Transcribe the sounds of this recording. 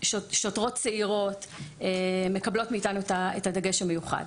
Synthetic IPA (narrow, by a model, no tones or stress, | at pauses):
ʃoʃotʁo̞t̚t͡seiʁo̞teme̞kɐblo̞tmiitanuetaetadaɡe̞ʃamejuχa̰d